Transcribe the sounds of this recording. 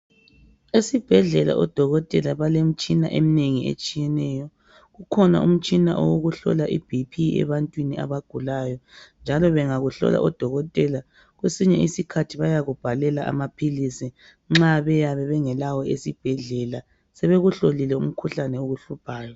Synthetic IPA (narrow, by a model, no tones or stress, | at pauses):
esib̥ʱɛɮɛla̰ʔɔd̥ʱɔɣɔtʼɛlaβalem̩t͡ʃʼina̰ʔemineŋiḛt͡ʃʼijɛnɛːjɔ | ɣukʰɔna̰ʔṵm̩t͡ʃʼina̰ʔɔ̰woɣuɬɔ̰laʔib̥ʱipʰiɛ̰βantʼwinia̰βaɡ̥ʱulajɔnd͡ʒʱalɔβɛŋaɣuɬɔ̰la̰ʔɔd̥ʱɔɣɔtʼɛla | ɣwesiɲɛisikʰatʰiβajaɣub̥ʱalɛlaʔa̰mapʰilisi | ŋ͡ǁaβɛjaβɛβɛŋɛlawɔesib̥ʱɛɮɛla | sɛβeɣuɬolilɛṵm̩kʰuɬanɛoɣuɬupʰaːjɔ